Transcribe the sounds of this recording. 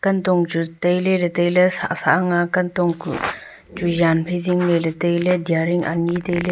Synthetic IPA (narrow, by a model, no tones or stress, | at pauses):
kɐntɔŋt͡ʃutɐjlelɐtɐjlɐsa̰saʔaŋakɐntɔŋkṵ | t͡ʃujanpʰejziŋlelɐtɐjledijaɾiŋa̰nitɐjle